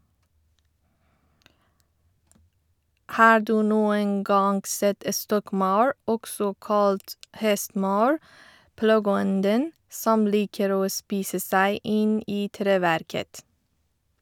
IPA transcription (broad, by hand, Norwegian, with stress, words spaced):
ˈhɑː ˈduː ˈnuːən ˈɡɑːŋ ˈsɛt ə ˈstɔkˌmɑʉɹ ˈɔɡsɔ ˈkɑːlt ˈhɛstˌmɑːəɹ ˈplɑɡəˌɔndən ˈsɔm ˈliːkəɾ ˈoː ˈspiːsə ˈsæɪ ˈʔɪn ˈiː ˈtɾeːˌʋæɾkət